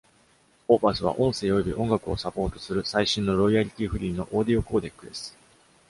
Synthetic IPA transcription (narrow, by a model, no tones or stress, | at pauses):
oːpasɨβ̞a̰ʔõ̞ɰ̃se̞ːjo̞bʲiʔõ̞ŋɡakɯ̟o̞sapo̞ːt̪o̞̥sɨɾɯ̟saiɕĩnːo̞ɾo̞iaɾʲit̪ʲiːɸɯ̟ɾʲiːno̞ʔo̞ːd̪io̞ko̞ːd̪e̞kːɯ̟d̪e̞sɨ̥